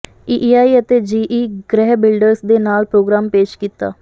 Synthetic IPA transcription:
iːʔiːaːiːət̪eːd͡ʒiːʔiːɡɾɛːɦbɪlɖəɾsd̪eːnaːlpɾoːɡɾaːmpeːʃkiːt̪ːa̰ː

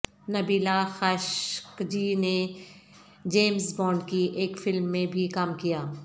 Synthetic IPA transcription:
nɐbiːlaxaːʃkd͡ʒine | d͡ʒeːmsbɔːɳɖkiʔeːkfɪlmːẽbʱikaːmkijaː

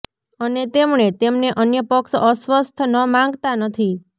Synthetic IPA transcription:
ənet̪emɳet̪emneʔənjəpəksəsʋəst̪ʰnəmãŋɡt̪anət̪ʰi

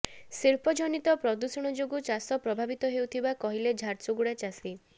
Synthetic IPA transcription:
siɾpɔd͡ʒɔnit̪ɔpɾɔd̪usɔɽ̃ɔd͡ʒoɡut͡ʃasɔpɾɔbʱabit̪ɔɦewt̪ʰibakɔɦiled͡ʒʱaɾt͡ʃuɡuɽat͡ʃasi

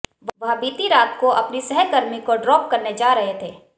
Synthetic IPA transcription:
ʋʋɐɦbiːt̪iɾaːt̪koʔɐpnisɛɦɛkɐɾmikoɖɾɔːp̚kɐɾned͡ʒaːɾɐɦet̪ʰeː

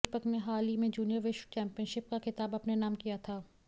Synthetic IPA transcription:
pəkneɦaːlimẽd͡ʒuːnijəɾʋɪʃt͡ʃɛ̃ːmpijənʃɪp̚kaxɪt̪aːbɐpnenaːmkijat̪ʰaː

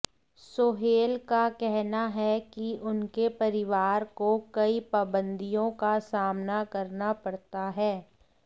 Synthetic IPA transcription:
soːɦeːlkakɛɦnaɦɛkiʔʊnkepɐɾɪʋaːɾkokɐipaːbə̃nd̪ʱijõkasaːmnakɐɾnapɐɽt̪aɦɛː

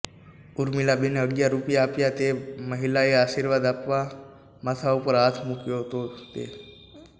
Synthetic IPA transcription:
ʊɾmɪlabɪnəɡjaɾʊpijaːpjat̪eməɦɪlaeaːʃiːɾʋaːd̪apʋa | mət̪ʰaʊpəɾaːt̪ʰmʊkjot̪ot̪ḛː

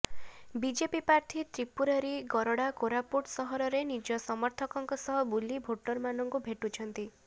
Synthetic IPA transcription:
bid͡ʒepipaɾt̪ʰit̪ɾipuɾaɾiɡɔɾɔɽakoɾapuʈsɔɦɔɾɔɾenid͡ʒɔsɔmɔɾt̪ʰɔkɔŋkɔsɔɦɔbulibʱoʈɔɾmanɔŋkubʱeʈut͡ʃʰɔnt̪i

